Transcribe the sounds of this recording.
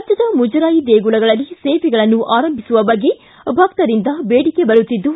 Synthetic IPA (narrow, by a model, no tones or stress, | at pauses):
ɐdjɐd̪ɐmud͡ʒɐɾaːjid̪eːɡuɭɐɡɐɭɐlːiseːʋiɡɐɭɐnːuʔaːɾɐmbʱisuʋɐbɐɡːe | bʱɐkt̪ɐɾind̪ɐbeːɽikebɐɾut̪ːid̪ːu